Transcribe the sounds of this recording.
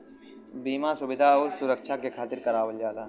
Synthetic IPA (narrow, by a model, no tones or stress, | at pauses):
biːmasʊbɪd̪ʱaoːɾsʊɾəkʃʰakekʰaːt̪ɪɾkɐɾaːʋəld͡ʒaːlaː